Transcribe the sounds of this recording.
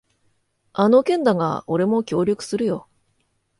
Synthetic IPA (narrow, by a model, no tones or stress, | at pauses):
ano̞kẽ̞nd̪aŋa̰o̞ɾe̞mo̞kʲo̞ːɾʲokɯ̟̥sɨɾɯ̟jo̞